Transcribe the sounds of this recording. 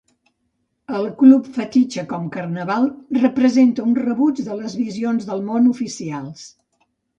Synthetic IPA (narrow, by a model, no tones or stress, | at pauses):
əlˠklupfət̪it͡ʃəkɔmkərnəβalˠrəpɾəzent̪əunrəβud͡ʒðələzβizionzðəlˠmonufisialˠs